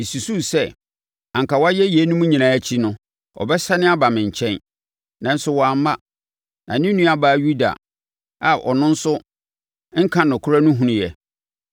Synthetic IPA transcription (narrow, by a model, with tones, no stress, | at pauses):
su˨su˦sɛ˦˨ | ã˨ŋka˨wa˦jɛ˦jɛ˨˦nʊ̃˦mũ˦ɲĩ˨nãː˨˦ɛ˦t͡ɕʰi˦nʊ̃˦ | ɔ̰˨bɛ˦sa˦nɪ̃˦a˦ba˨mɪ̃˨ɲ̩˨t͡ɕʰɛ̃˦n | nã˦n̩˦sʊ˦wɔ˨a˨˦mã˦ | nã˨nɪ̃˦nũ˦a˦baː˦˨˦ju˦da̰˨ | a˨ʔɔ̰˨nʊ̃˦n̩˦sʊ˦ | ŋ̩˦kʰã˦nʊ̃˨kʰʊ˦ɾa˦nʊ̃˦ɦũ˦ñ˨jɛ˨